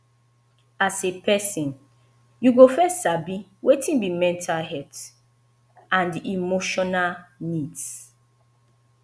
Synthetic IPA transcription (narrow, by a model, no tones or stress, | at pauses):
asepʰɛsĩn | juɡofɛsabiwetʰĩnbimɛ̃ntʰalɦɛt | ãndiʔimoʃɔnalnids